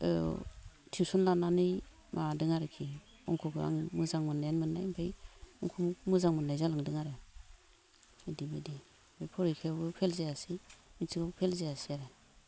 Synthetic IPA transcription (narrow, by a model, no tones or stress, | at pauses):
ɯ̰ | tʰiwsɔnlananɯj | mʔadɯŋaɾekʰi | ɔŋkʰɔɡɯa̰ŋmɯzaŋmɯnajanmɯnːajmpʰejɔŋkʰɔmumɯzaŋmɯnːajzalaŋdɯŋaɾe | idimidi | bejpʰɔɾikʰewɡɯpʰelzejasimitʰiɡapʰelzejasiaɾe